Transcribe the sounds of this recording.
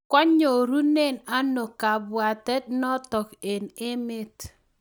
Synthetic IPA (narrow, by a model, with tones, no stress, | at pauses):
kɔ˦ɲo˨ɾu˦ne˦˨na˦no˨ka˨bwa˨tɛ˦t̚nɔ˦tɔ˨ke˨nɪ˦mɪ˦t